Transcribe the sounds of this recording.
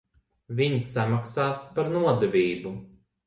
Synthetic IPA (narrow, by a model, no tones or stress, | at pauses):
vʲiɲsamaksaːspaɾnuɔd̪ɛvʲiːbu